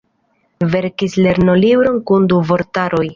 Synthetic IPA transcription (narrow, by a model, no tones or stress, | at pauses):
ve̞ɾkisle̞ɾno̞libɾo̞nkunduvo̞ɾtaɾo̞j